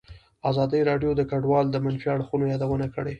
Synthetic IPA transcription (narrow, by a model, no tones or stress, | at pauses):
azɑd̪əjɾɑɖjod̪əkaɖwɑld̪əmanfiaɽxunojɑd̪awənakəɽe